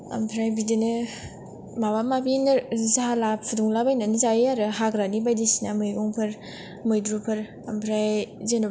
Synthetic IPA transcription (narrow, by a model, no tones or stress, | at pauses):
ɐ̰mpʰɾajbidinɯ | mabamabinɯzaalappʰuduŋlabajnanizaiaɾɯɦaɡɾanibajdisinamɯjoŋpʰɐɾ | mɯjdɾupʰɐɾ | ɐmpʰɾajzenu